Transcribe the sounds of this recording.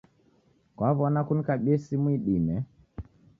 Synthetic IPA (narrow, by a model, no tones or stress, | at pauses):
kwaβɔnakunikaɓiɛsimwiɗimɛ